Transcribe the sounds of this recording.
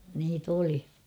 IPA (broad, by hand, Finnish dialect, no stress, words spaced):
niːt oli